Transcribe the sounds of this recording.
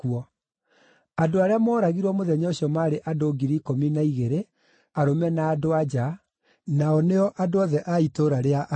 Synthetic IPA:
uɔ | adoaɾeamɔːɾaɣiɾwɔmoðɛɲɔoɕiɔmaːɾeʔadoɡiɾikominaiɣeɾe | aɾomɛnaːdoad͡ʑa | naɔneɔʔadoɔðɛʔaitoɾaɾeaʔ

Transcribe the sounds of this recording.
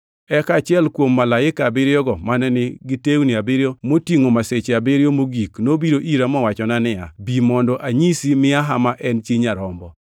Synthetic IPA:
ɛkat͡ʃɪɛlkwomːalaɪkabɪɾjɔɡɔmanɛnɪɡɪtewnɪabɪɾjomotiŋomaset͡ʃeabɪɾjomoɡiknobiɾoʔiɾamɔwat͡ʃɔnanɪa̰bimɔndɔʔaɲisimɪaɦamaʔɛnt͡ʃiɲaɾɔmbɔ

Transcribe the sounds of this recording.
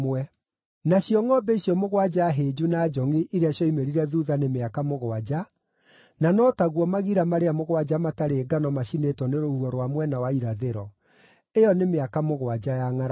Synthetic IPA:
wɛ | naɕjɔŋɔbeɕjɔmoɣwad͡ʒaɦed͡ʒunad͡ʒɔŋiʔiɾeaɕjɔimeɾiɾɛðuðanemeakamoɣoad͡ʑa | nanɔtaɣwɔmaɣiɾamaɾeamoɣwad͡ʑamataɾeːɡanɔmaɕinetwɔneɾohuɔɾwamwɛnawaiɾaðeɾɔ | ejɔnemeakamoɣwad͡ʑajaŋaɾ

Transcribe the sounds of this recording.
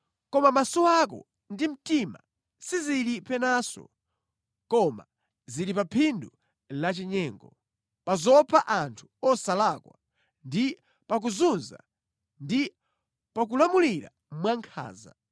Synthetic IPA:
kɔmamasɔakɔ̰ | ndim̩tima̰ | siziɾipɛnasɔ̰ | kɔma̰ | ziɾipapʰindu | lat͡ʃɛɲɛːŋɡɔ | pazɔpʰaʔantʰu̥ɔsalakwa̰ | ndi | pak̬uzunza̰ | ndi | pak̬ulamuliɾa̰ | mwaŋkʰa̰ːza̰

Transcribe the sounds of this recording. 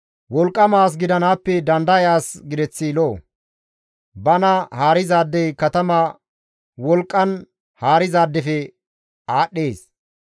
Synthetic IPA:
wɔlkʼːɐmaːs̬ɡɪd̪ɐnaːpːɛd̪ɐnd̪ɐjaːsɡɪd̪ɛt͡sːiloː | bɐnɐhaːɾɪzaːd̪ːɛjkɐt̪ɐmaː | wɔlkʼːɐn | haːɾɪzaːd̪ːɛfɛ | aːɗːeːs

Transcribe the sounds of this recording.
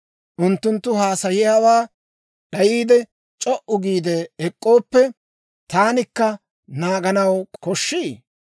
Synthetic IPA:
ʔʊnt̪ːʊnt̪ːʊɦaːsɐjɪjaːwaː | ɗɐjiːd̪ɛ | t͡ʃʼɔʔʊɡiːd̪ɛɛkʼːo̞ːpːɛ | t̪aːnɪkːɐ | naːɡɐnɐwkɔʃːiː

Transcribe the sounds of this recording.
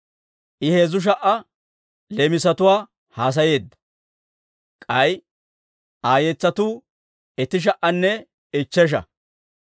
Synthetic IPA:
ʔɪheːzʊʃ̬ɐʔɐ | lemɪsɐt̪ʊwaː | haːs̬ɐje̞ːd̪ːɐ̥ | kʼɐj | ʔaːjɛt͡sːɐt̪uː | ɛt̪ɪʃ̬ɐʔɐnːɛ | ɪt͡ʃːɛʃ̬ɐ̰

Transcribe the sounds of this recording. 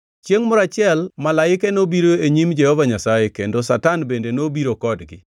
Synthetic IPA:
t͡ʃjeŋmɔɾat͡ʃɪɛlmalaɪkenobiɾoeɲimd͡ʒɛhɔvaɲasajekendosatanbendenobiɾokɔdɡɪ̰

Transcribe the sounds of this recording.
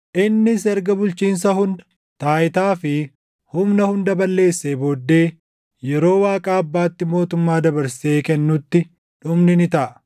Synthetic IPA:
ʔɪnːɪsɛɾɡɐbʊlt͡ʃiːns̬ɐhʊnd̪ɐ̥ | t̪aːʔɪt̪aːfɪ | hʊmnɐhʊnd̪ɐbɐlːe̞ːsːeːboːd̪ːe̞ː | jɛɾo̞ːwaːkʼaːɐbːaːt̪ːɪmo̞ːt̪ʊmːaːd̪ɐbɐɾse̞ːkɛnːʊt̪ːɪ | ᶑʊmnɪnɪt̪ɐʔɐ

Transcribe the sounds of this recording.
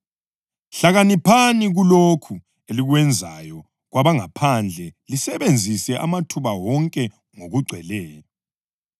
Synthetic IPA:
ɬaɣanipʰaniɣulokʰu | eliɣwɛnd͡zʱajɔ | ɣwaβaŋapʰand͡ɮʱɛlisɛβend͡zʱisɛʔa̰matʰuβawɔŋkʼɛ | ŋoɣuɡ͡ǀʱwɛlɛːjɔ

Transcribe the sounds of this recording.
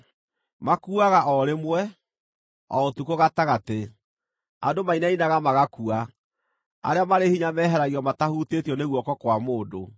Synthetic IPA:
makuaɣaʔɔɾemwɛ | ɔotukoɣataɣate | a̰domainainaɣamaɣakua | a̰ɾeamaɾehiɲamɛːɦɛɾaɣiɔmatahutetjɔneɣwɔkɔkwamoːdo

